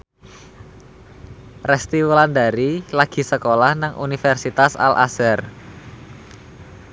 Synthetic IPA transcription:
rɛst̪iwuland̪aɾilaɡ̥i̤səkolahnaŋʔṵnifɛrsit̪asa̰lʔa̰sɛr

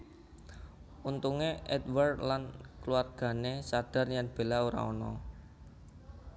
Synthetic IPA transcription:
unt̪uŋeʔɛd̪wərdlankluarɡ̥a̤nesad̥a̤rjaŋb̥e̤laoɾa̰ɔnɔ̰

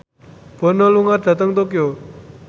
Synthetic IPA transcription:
b̥ɔ̤nɔluŋard̪̥a̤t̪əŋt̪okjo

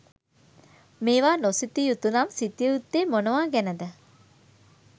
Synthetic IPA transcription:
meːʋaːnosit̪ːijut̪ːunamsit̪ijəut̪ːeːmonəʋaːɡɛnəd̪ə

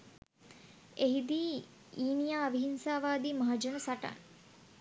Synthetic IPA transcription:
eɦid̪iː | iːnijaːbiɦinsaːʋaːd̪iːmaɦad͡ʒonəsaʈa̰n

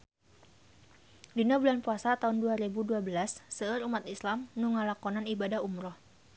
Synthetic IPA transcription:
dinabulanpuasat̪aunduaɾibuduabəlasːəəɾumat̪islamnuŋalakɔnanibadahumɾɔh

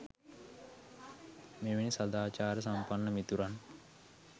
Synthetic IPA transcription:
meʋenisɐd̪aːt͡ʃaːɾəs̬ampanːəmit̪uɾan

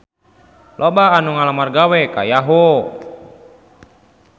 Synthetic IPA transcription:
lʔɔbaːnuŋalamarɡawɛka̰jaɦɔ

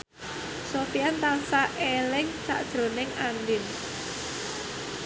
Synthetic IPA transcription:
sofiant̪ansaʔelɪŋt͡ʃa̰ʔd̥ʒ̥ɾo̤nɪŋandɪn

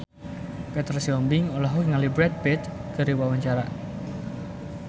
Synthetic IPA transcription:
pet̪rsiɔmbɪŋɔlaɦuŋalibɾɛt̪̚bɛt̪ɡ̥əɾiwawaɲt͡ʃaɾa

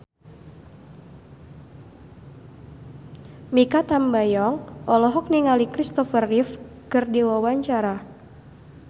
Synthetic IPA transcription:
mikat̪ambajɔŋʔɔlɔɦɔk̚niŋalikɾist̪ɔfərːif | kɨrdiwawaɲt͡ʃaɾa

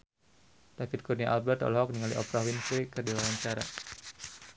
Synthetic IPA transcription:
d̥afɪt̪̚kurniaʔalbɛrt̪ɔ̰lɦɔk̚niŋalḭʔɔ̰pɾawinsikərdiwawaɲt͡ʃaɾa̰

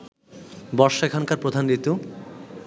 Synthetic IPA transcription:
bɔʃekʰankaɾpɾod̪ʱanɾit̪u

